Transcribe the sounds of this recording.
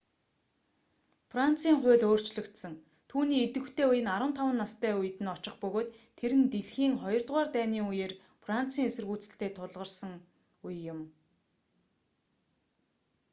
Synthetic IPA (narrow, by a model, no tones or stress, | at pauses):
fran̥t͡siːŋχʊ̟ːɮoːr̥t͡ɕɮɵ̆kt̪sə̆ŋ | t̪ʰuːniːet̪ɘ̆xt̪ʰeːujɪ̆naɾə̆nt̪ʰawə̆nːast̪ʰæːuj̆t̪ɘ̆nɔt͡ɕɪ̆χpɵɣoːt̪ʰːeɾɘ̆nt̪eɮxiːŋχɔjɞ̆rt̪ʁaːrt̪æːniːŋujeːr | fran̥t͡sʰiːŋesɘ̆rɣuːt͡sɘ̥̆ɬt̪eːt̪ʰʊɮʁə̆rsə̆ŋ | ujːʊ̆m